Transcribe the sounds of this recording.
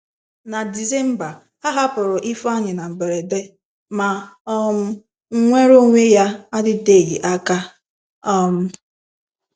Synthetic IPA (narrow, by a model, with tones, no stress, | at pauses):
na˨di˨ze˦m̩˦ba˨ | a˦ɦa˦pʊ˨ɾʊ˨ʔi˦fa˦ɲɪ˨na˨m̩˨be˨ɾe˨de˦ | ma˨ɔ˦m̩˦ | ŋ̩˦ŋʷe˦ɾo˦ŋʷe˦ja˦a˦dɪ˦de˦˨ɣi˨ʔa˦ka˦ | ɔ˦m̩˦